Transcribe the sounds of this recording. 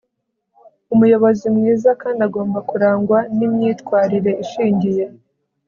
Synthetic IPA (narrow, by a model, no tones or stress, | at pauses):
umujo̞βo̞zimŋiːzakaːndaɡo̞ːmbakuɾaːŋɡwanimɲiːtkwaːɾiɾe̞iʃiːɲɟije̞